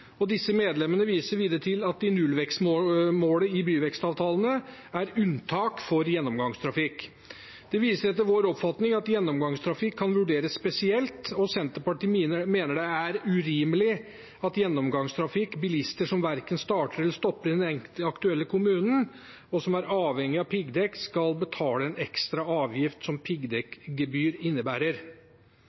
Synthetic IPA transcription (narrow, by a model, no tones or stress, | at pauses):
ɔd̪ɪsːəmeːd̪lɛmənəʋiːsəɾʋiːd̪əɾət̪ʰɪlɑt̪̚d̪ɪnʉlʋɛkst̪mmoːləɪbyːʋɛkst̪ɑːʋt̪ʰɑːlənəæɾʉnt̪ʰɑːkfɔɾjɛnːɔmɡɑŋst̪ʰɾɑfɪkː | d̪̥ɛʋiːsəɾɛt̪ːəɾʋoːɾɔpfɑt̪nɪŋɑt̪jɛnːɔmɡɑŋst̪ʰɾɑfɪkʰːɑnʋʉɖeːɾəsːpɛsɪɛlt̪ɔsɛnt̪əɾpɑʈiːmeːnəɖɛæɾʉɾiːməlɪ | ɑt̪jɛnːɔmɡɑŋst̪ʰɾɑfɪkːbɪlɪst̪əʂɔmʋæɾkənst̪ɑːʈəɾɪlst̪ɔpːəɾɪd̪ɛnɛŋt̪əɑkt̪ʉɛlːəkʰʊmʉːnn̩ | ɔsɔmæɾɑːʋhɛŋːɪɑʋpʰɪɡd̪ɛkskɑlbət̪ʰɑːləɛnɛkst̪ɾɑɑːʋjɪft̪sɔmpʰɪɡd̪ɛkɡəbyːɾɪnːəbæːɾəɾ